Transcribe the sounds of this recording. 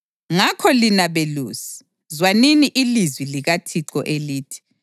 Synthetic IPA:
ŋakʰɔlinaβeluːsi̥ | zwaniniʔilizwiliɣatʰiǀɔʔeliːtʰi̥

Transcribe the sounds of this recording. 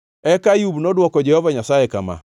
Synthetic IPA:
ɛkajubnɔdwɔkɔd͡ʒɛhɔvaɲasaekama̰

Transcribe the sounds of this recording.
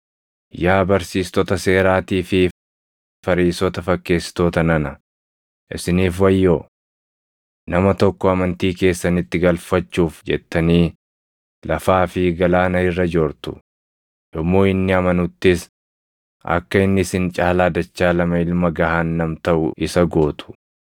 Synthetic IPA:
jaːbɐɾsiːst̪ɔt̪ɐse̞ːɾaːt̪iːfɪ | fɐɾiːsɔt̪ɐfɐkːe̞ːst̪oːt̪ɐnɐnɐ | ʔɪ̰sɪniːfwɐjːoː | nɐmɐt̪ɔkːɔɐmɐnt̪iːke̞ːsːɐnɪt̪ːɪɡɐlfɐt͡ʃːuːfd͡ʒɛ̰t̪ːɐniː | lɐfaːfɪɡɐlaːnɐɪrːɐd͡ʒoːɾt̪ʊ̥ | jɔmːo̞ːɪnːɪɐmɐnʊt̪ːɪs | ʔɐ̰kːɐɪnːɪsɪnt͡ʃʼaːlaːd̪ɐt͡ʃːaːlɐmɐɪlmɐɡɐɦaːnːɐmt̪ɐʔʊ̰ʔɪsɐɡo̞ːt̪ʰʊ̥

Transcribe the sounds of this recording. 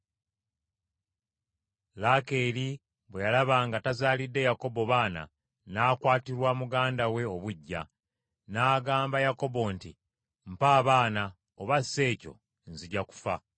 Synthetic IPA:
lake̞ɾi | βwe̞jalaβaːŋɡatazaːlidːe̞jako̞bo̞βaːna̰ | naːkwaːtiɾwamuɡaːndawe̞o̞βuɟːa̰ | naːɡaːmbajako̞bo̞ntḭ | m̩paːβaːna | oβasːe̞ːco̞̰ | nziɟaku̥fa

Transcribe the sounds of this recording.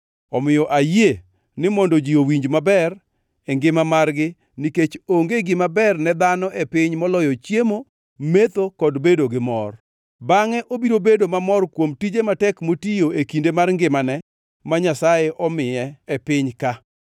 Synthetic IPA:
ɔmɪjɔʔaje | nɪmɔndɔd͡ʒiowiɲd͡ʒmabɛr | ɛŋɡɪmamarɡɪ | niket͡ʃoŋɡeɡɪmabɛrnɛd̪anɔʔɛpɪɲmɔlɔjɔt͡ʃjemo | met̪okɔdbedoɡɪmɔr | baŋɛʔobiɾobedomamɔrkwomtid͡ʒematɛkmotijoekindemarŋɡɪmanɛ | maɲasajeʔɔmɪjɛɛpɪɲka

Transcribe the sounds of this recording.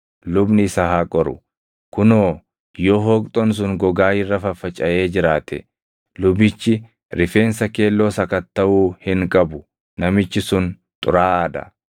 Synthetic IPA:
lʊbnɪsɐhaːkʼɔɾʊ | kʊnoː | joːɦoːkʼt̪ʼɔns̬ʊŋɡɔɡaːjɪrːɐfɐfɐt͡ʃʼɐʔe̞ːd͡ʒɪɾaːt̪ʰɛ̰ | lʊbɪt͡ʃːɪ | ɾɪfe̞ːnsɐke̞ːlːoːsɐkɐt̪ːɐʔuːhɪŋkʼɐbʊ | nɐmɪt͡ʃːɪsʊn | t̪ʼʊ̰ɾaːɐd̪ɐ̰

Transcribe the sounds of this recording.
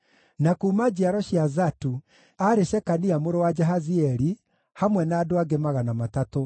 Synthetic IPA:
nakuːmad͡ʑiaɾɔɕiazatu | aɾeɕɛkaniamoɾowad͡ʒɛɦaziɛɾi | hamwɛnaːdoaɡemaɣanamatato

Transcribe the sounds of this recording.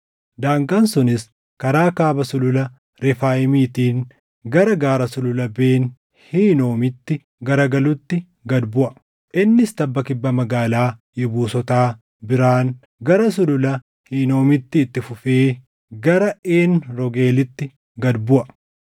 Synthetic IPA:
d̪aːŋkʼɐnsʊnɪs | kɐɾaːkaːbɐsʊlʊlɐ | ɾɛfaːjɪmiːt̪iːŋ | ɡɐɾɐɡaːɾɐsʊlʊlɐbeːn | hiːno̞ːmɪt̪ːɪ | ɡɐɾɐɡɐlʊt̪ːɪ | ɡɐd̪bʊʔɐ | ʔɪnːɪst̪ɐbːɐkɪbːɐmɐɡaːlaːjɪbuːsɔt̪aː | bɪɾaːn | ɡɐɾɐs̬ʊlʊlɐ | hiːno̞ːmɪt̪ːɪːt̪ːɪfʊfeː | ɡɐɾɐʔeːnɾɔɡeːlɪt̪ːɪ | ɡɐd̪bʊʔɐ

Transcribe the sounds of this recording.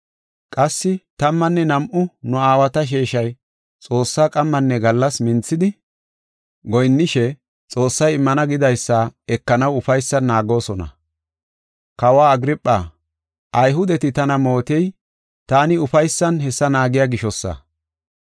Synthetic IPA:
kʼɐsːɪt̪ɐmːɐnːɛnɐmʔʊnʊaːwɐt̪ɐʃ̬eːʃɐj | t͡sʼo̞ːsːaːkʼɐmːɐnːɛɡɐlːɐsmɪnt͡sːɪd̪ɪ | ɡɔjnːɪʃɛ | t͡sʼo̞ːsːɐjɪmːɐnɐɡɪd̪ɐjsːaɛkːɐnɐwʊfɐjsːɐnːaːɡo̞ːsɔnɐ̰ | kɐwaːɡɾɪpʼːaː | ʔɐjɦʊd̪ɛt̪ɪt̪ɐnɐmo̞ːt̪ɛj | t̪aːnɪʊfɐjsːɐnhɛsːɐnaːɡɪjaɡɪʃɔsːɐ̰

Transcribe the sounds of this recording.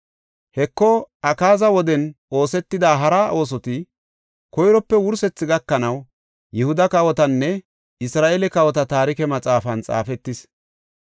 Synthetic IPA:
hɛkːɔɐkaːzɐwɔd̪ɛn | o̞ːsɛt̪ːɪd̪aːɦɐɾaːʔo̞ːs̬ɔt̪ɪ | kɔjɾɔpːɛwʊɾsɛt͡sːɪɡɐkːɐnɐw | jɛhʊd̪ɐkɐwɔt̪ɐnːɛ | ɪsɾaːʔelɛkɐwɔt̪ɐt̪aːɾɪkɛmɐt͡sʼaːfɐnt͡sʼa̰ːfɛt̪ːɪs

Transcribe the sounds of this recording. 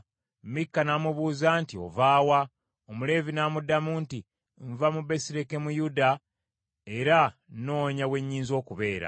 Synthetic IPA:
mikːanaːmuβuːzantio̞̰vaːwa | omule̞vinaːmudamuːnti | ɱvamube̞siɾe̞ke̞mujuda | e̞ɾano̞ːɲawe̞ɲːiːnzio̞ːkuβe̞ːɾa̰

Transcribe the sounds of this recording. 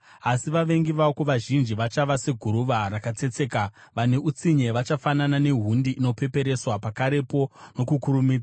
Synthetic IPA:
asiʋaʋe̞ŋɡiʋaokuʋaʒind͡ʒiʋat͡ʃaʋase̞ɡʱuɾuʋarakat͡se̞t͡se̞ːka | ʋane̞ʔut͡siɲe̞ʋat͡ʃafananane̞ɦundiʔːno̞pe̞pe̞ɾe̞swapakaɾe̞po̞no̞kukuɾumiːd͡za

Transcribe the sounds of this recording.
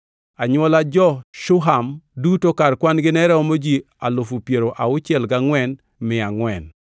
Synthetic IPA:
aɲwɔlad͡ʒɔʃʊɦamdutokarkwanɡɪnɛɾɛɔmod͡ʒi | alʊfupjeɾoʔaʊt͡ʃɪɛlɡaŋwɛn | mɪaŋwɛn

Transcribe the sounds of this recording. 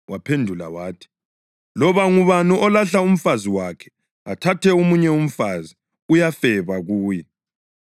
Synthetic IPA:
wʔapʰendʱula̰waːtʰi̥ | lɔβaŋuβanuʔɔlaɬaum̩faziwakʰɛ̥ | atʰatʰɛumuɲɛum̩fazi | ujafɛβaɣuːjɛ

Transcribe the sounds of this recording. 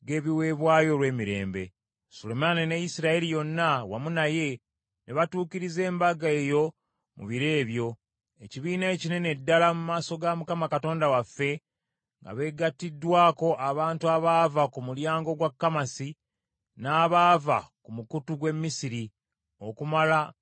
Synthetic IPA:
ɡe̞ːβiwe̞ːβwaːjo̞ːlwe̞ːmiɾe̞̰ːmbe̞̰ | solemaninejisiɾaelijo̞nːawamunaje̞ | neβatuːkiɾize̞ːmbaɡaejo̞ | mṵβiɾe̞ːβjo̞ | eciβiːnaecine̞ne̞dːalamumaːso̞ɡamukamakato̞ːndawafːe̞ | ŋɡa̰βe̞ɡatːidːwaːko̞ʔaβaːntuaβaːvakumuljaːŋɡoɡwakːamasi | naːβaːva̰kumukutuɡwe̞mːisiɾi | o̞kumala

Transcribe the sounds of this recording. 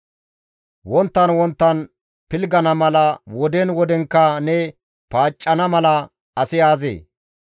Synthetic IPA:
wɔnt̪ːɐnwɔnt̪ːɐn | pɪlɡɐnɐmɐlɐwɔd̪ɛnwɔd̪ɛŋkːɐnɛ | paːt͡ʃʼːɐnɐmɐlɐ | ɐsɪjaːzḛː

